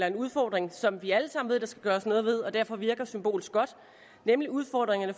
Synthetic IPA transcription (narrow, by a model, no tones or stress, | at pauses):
lɐe̝nuð̞ˠfɒ̰ːd̥ʁeŋsɒ̽mʋiæləsɑ̈m̰n̩ʋe̝ð̰ˠdɑ̈sɡ̥æɡ̥ɶːɐsnɔ̽ːð̞̩ˠʋe̝ð̞ˠɒ̽d̥æɐfɒ̽ʋiɐɡ̥ɐsymb̥o̝̰ːlsɡ̥ɒ̽d̥ | nemliuð̞ˠfɒd̥ʁeŋɐnə